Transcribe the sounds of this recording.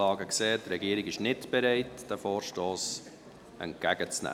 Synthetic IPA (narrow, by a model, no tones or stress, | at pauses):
ɑːɡəkseːt̪ɾɛɡiːəɾɪɡɪʃnɪtb̥ɛɾɛɪtd̥æfoːɾʃtoːs | ʔɛ̰nt̚kæɡət͡snæ̰ː